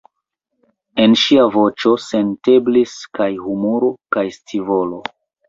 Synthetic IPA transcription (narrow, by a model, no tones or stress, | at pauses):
e̞nʃiavo̞t͡ʃo̞se̞nte̞bliskajhumoɾokajstʰivo̞lo